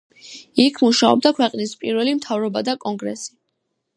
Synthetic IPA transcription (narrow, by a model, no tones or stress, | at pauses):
ikʰmuʃaɔ̰b̚d̪akʰwɛqʼnispʼiɾwɛlimt̪ʰavɾɔbad̪akʼɔŋɡɾɛ̰si̥